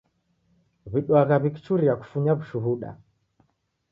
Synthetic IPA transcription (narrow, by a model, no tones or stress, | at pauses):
βiɗwaɣaβiki̥t͡ʃuɾiaku̥fuɲaβuʃuɦuɗa̰